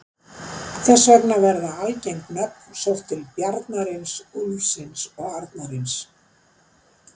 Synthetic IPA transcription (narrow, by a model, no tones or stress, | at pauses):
θɛsːvœɾnavɛɾðaalcejŋknœp̚n̥sowht̪ʰːɪlpjaɾt̪naɾɪnslsɪnsɔɣaɾt̪naɾɪns